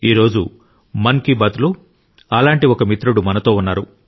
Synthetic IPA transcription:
iːɾo̞ːd͡ʒu | mɐŋkibɐt̪lu | ɐlaːɳʈiɔkɐmit̪ɾuɽumɐnɐt̪o̞ːunːaːɾu

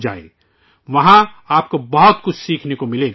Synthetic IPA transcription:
d͡ʒa̰ːḛ̃ | ʋɐɦã | aːp̚kobɐɦʊt̪kʊt͡ʃʰsiːkʰnekomɪlẽː

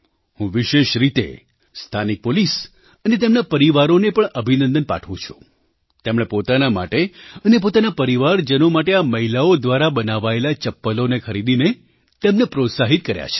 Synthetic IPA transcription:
hũʋiʃeʃɾit̪ḛ | st̪ʰanik̚polis | ənet̪emnapəɾiʋaɾonepəɳəbʱinənd̪ənpa̰ʈʰʋṵ̃t͡ʃʰu̥̰ | t̪emɽ̃epot̪anama̰ʈeənepot̪anapəɾiʋaɾd͡ʒənomaʈeaməɦilaod̪ʋaɾabənaʋaelat͡ʃəpːəlonekʰəɾid̪ine | t̪emnepɾot̪saɦit̪̚kəɾja̰t͡ʃʰe̥

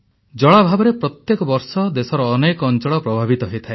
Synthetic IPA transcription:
d͡ʒɔɭabʱabɔɾepɾɔt̪jekɔbɔɾsɔd̪esɔɾɔːnekɔːnt͡ʃɔɭɔpɾɔbʱabit̪ɔɦejt̪ʰae

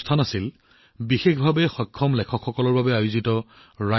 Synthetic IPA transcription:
tʰanasil | bixexbʱabɛxɔjkʰːɔmlɛkʰɔkʰxɔkɔlɔɹbabɛajʊzitɔ | ɹa

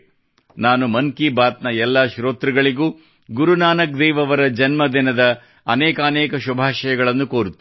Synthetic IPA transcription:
naːnumɐŋkibaːt̪nɐɛlːaːʃɾoːt̪ɾiɡɐɭiɡuː | ɡuɾunaːnɐk̚d̪ɛːʋɐʋɐɾɐd͡ʒɐnmɐd̪inɐd̪ɐː | nɛːkɐːnɛːkɐʃubʱaːʃɐjɐɡɐɭɐnːukoːɾut̪ːi

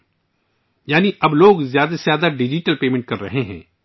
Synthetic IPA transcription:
jaːniʔɐbloːɡzjaːd̪azjaːd̪aɖɪd͡ʒɪʈəlpeːmẽɳʈ̚kɐɾːɐɦẽɦɛ̰̃ː

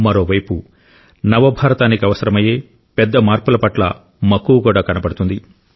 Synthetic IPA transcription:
mɐɾo̞ːʋɐjpu | nɐʋɐbʱaːɾɐt̪aːnikiɐʋɐsɐɾɐmɐje̞ː | pɛd̪ːɐmaːɾpulɐpɐʈlɐ̰ | mɐkːuːkuːɽaːkɐnɐpɐɽut̪und̪i

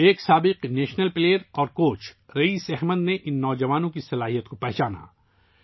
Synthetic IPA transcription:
eːksaːbɪqneːʃnəlpleːəɾɔːɾkoːt͡ʃ | ɾɐiːsɛɦməd̪neʔɪnːɔːd͡ʒɐʋaːnõkisɐlaːɦijət̪̚kopɛɦt͡ʃaːna̰

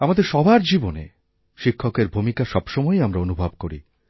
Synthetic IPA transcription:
amad̪eɾʃɔbʱaɾd͡ʑibonḛ | ʃikʰːokeɾbʱumikaʃɔbʃɔmɔeamɾaonubʱabkoɾḭ

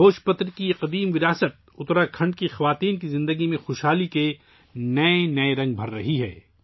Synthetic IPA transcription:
oːʃpɐt̪ɾkijeqɐd̪iːmʋɪɾaːsət̪̚ʊt̪ɾakʰɐ̃ɳɖ̚kixɐʋaːt̪iːnkizɪ̃nd̪əɡimẽxoːʃɦaːlike | nɐenɐeɾɐ̃ŋɡ̚bʱɐɾːɐɦiɦɛ̰ː

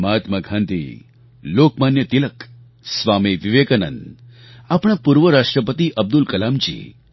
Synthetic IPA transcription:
mɦat̪məɡʱãnd̪ḭ | lokmanjət̪ilək | sʋamiʋiʋekənən | apɽ̃apuɾʋəɾaʂʈɾəpət̪iʔɐb̚d̪ulkɐlamd͡ʒḭː

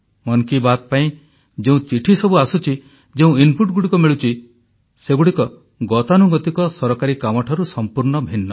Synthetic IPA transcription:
mɔnkibat̪̚paĩ | d͡ʒeũt͡ʃiʈʰisɔbuasut͡ʃʰi | d͡ʒeũinpuʈ̚ɡuɽikɔmiɭut͡ʃi | seɡuɽikɔ | ɡɔt̪anuɡɔt̪ikɔsɔɾɔkaɾikamɔʈʰaɾusɔmpuɾɳɔbʱinːɔ

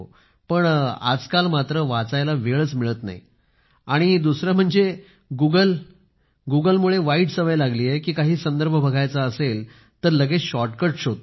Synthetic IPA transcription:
pəɳa̰d͡zkalmat̪ɾəʋat͡sajlaʋeɭət͡smiɭət̪na̰ḭ | aɽ̃id̪usɾjam̤əɳd͡ze | ɡuɡəl | ɡuɡəlmuɭeʋaiːʈsəʋəjlaɡliːjekiːkaɦiːsənd̪əɾbʱəbʱəɡʱajt͡saəsel | t̪əɾləɡeɕɔʈkəɾʈɕot̪

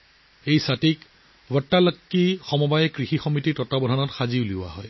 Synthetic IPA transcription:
ejsatik | wətːalɔkːixɔmɔbajɛkɹixixɔmititɔtabɔdʱɔnɔtxaziuliʊwa̰ɦɔj

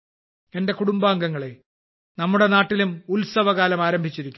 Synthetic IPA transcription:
e̞nde̞kuɽumbaːŋɡɐŋːɐɭe̞ | nɐmːuɽe̞naːʈːilumulsɐʋɐɣaːlɐmaːɾɐmbʱit͡ɕːiɾikʲːu

